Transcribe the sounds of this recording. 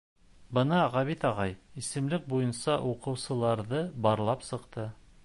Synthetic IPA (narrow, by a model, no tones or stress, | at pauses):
bɤnɑʁɑβit̪ɑʁɑjisɘ̆mlɘk̚bujɤ̆nsɑʔuqɤ̆wsɤ̆lˠɑɾðɤbɑɾlˠɑpsɤ̆qt̪ɤ